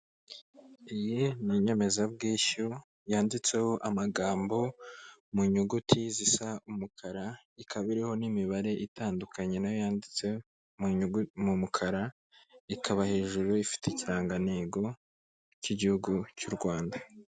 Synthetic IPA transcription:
ijiniɲe̞me̞zabɡiːʃu | jaːndit͡se̞ho̞ʔamaɡaːmbo̞muɲuɡutʰizisaumukʰaɾa | ikʰaβiɾeho̞nimiβaɾe̞ʔitaːndukʰaɲe̞najojaːndit͡se | muumumukʰaɾa | ikʰaβahe̞ːʒuɾuifi̥teciɾaːŋɡaneːɡo̞ | ciɟihuɡucuɾɡwaːnda

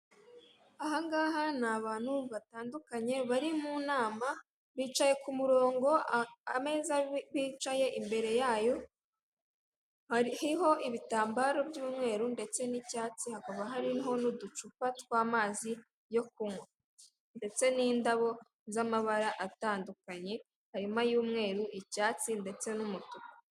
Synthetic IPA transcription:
ahaŋɡaːɦanaβaːn̥huβataːndukaɲe̞βaɾimunaːma | βiːt͡ʃaje̞kumuɾo̞ːŋɡo̞a̰me̞zaβiːt͡ʃaje̞ʔimbe̞ɾe̞jaːjo̞ | hhiɦo̞ʔiβitaːmbaɾo̞bjuːmŋe̞ːɾunde̞t͡se̞nicaːt͡sihakaβaɦaɾiɦo̞nudut͡ʃupatkwaːmaːzi | jo̞kuŋwa | nde̞t͡se̞niːndaβo̞ | zamaβaɾaʔataːndukaɲe̞ | haɾimajuːmŋe̞ːɾuʔicaːt͡sinde̞t͡se̞numutuka

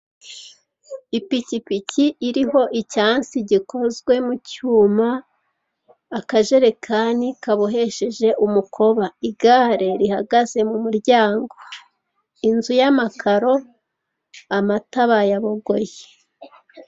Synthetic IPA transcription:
ipicipicʰiʔːɾiɦo̞ʔicaːnsiɟikʰo̞zɡwe̞mucuːma | kaʒe̞ɾe̞kʰanikaβoɦe̞ʃe̞ʒe̞ʔumukʰo̞βaiɡaːɾe̞ɾihaɡaz̥e̞mumuɾɟaːŋɡo̞ | inzujamakʰaɾo̞ | amataβajaβo̞ɡo̞je

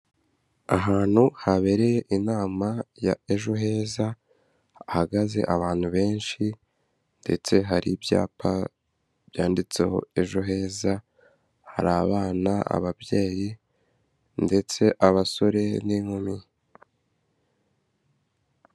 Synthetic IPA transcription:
aɦaːn̥huhaβe̞ɾe̞jeʔinaːmaja̰e̞ʒoɦe̞ːza | ahaɡaze̞̰ʔaβaːn̥huβe̞ːnʃi | nde̞̰t͡se̞ɦaɾibja̰ːpa | b̥jaːndit͡se̞̰ho̞̰e̞ʒoɦe̞ːza | ha̰ɾaβaːnaa̰βabje̞ːji | nde̞t͡se̞ʔaβaso̞ɾe̞niŋumi

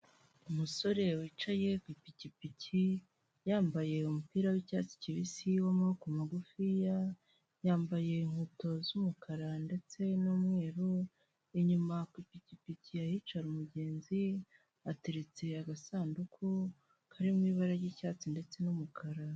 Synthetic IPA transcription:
umuso̞ɾe̞wiːt͡ʃaje̞kwipicipici | jaːmbaje̞umupiːɾawicaːt͡si̥ciβisiwomokumaɡufija | jaːmbaje̞iŋ̥huto̞zumukʰaɾande̞t͡se̞nuːmŋe̞ːɾo | eɲumakwipicipiciahiːt͡ʃaɾumuɟe̞ːnzi | ateɾet͡se̞aɡasaːndukʰu | kʰaɾimwiːβaɾaɾjicaːt͡sinde̞t͡se̞numukʰaɾa

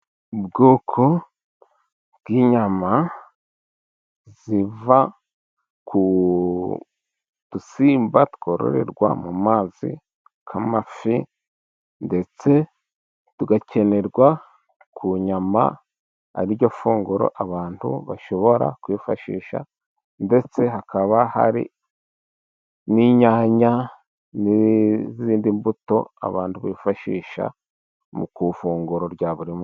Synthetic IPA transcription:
bɡoːkʰo | bɡ̥iɲama | ziva | kʰu | d̥usiːmbatu̥ko̞ɾo̰ɾe̞̰ɾɡwa̰mumaːzḭ | kʰamafi | nde̞t͡se̞ | tuɡace̞ne̞ɾɡwa | kʰuɲama̰ | a̰ɾiɾɟo̞fuːŋɡuɾo̞̰ʔaβaːntṵβaʃo̞βo̞ɾa̰kwifa̰ʃḭːʃa̰ | nde̞t͡se̞ɦakʰaβaha̰ɾḭ | niɲaːɲa | niziziːndimbuto̞a̰βaːntuβaifaʃḭːʃa̰ | mukufuːŋɡuɾo̞ɾɟaβuɾimo

